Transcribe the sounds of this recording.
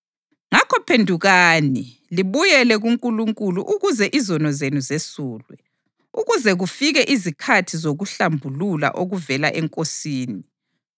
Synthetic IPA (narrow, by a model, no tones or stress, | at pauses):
ŋakʰɔpʰendʱuɣaːni | liβujɛlɛɣuŋkʼuluŋkʼuluʔuɣuzɛʔizɔnɔzenuzesuːlwɛ | uɣuzɛɣufiɣɛʔizikʰatʰizoɣuɬambʱulula̰ʔoɣuvɛla̰ʔɛŋkʼosiːni